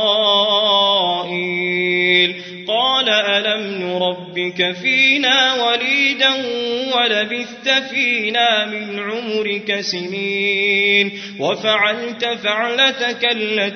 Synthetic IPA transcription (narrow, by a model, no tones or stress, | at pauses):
ʔɪ | l | qɑːlaʔalamnʊɾˤɑbːɪkafiːnaːwaliːd̪anwalabɪθt̪afiːnaːmɪnʕʊmʊɾɪkasɪniːn | wafaʕalt̪afaʕlat̪akalːa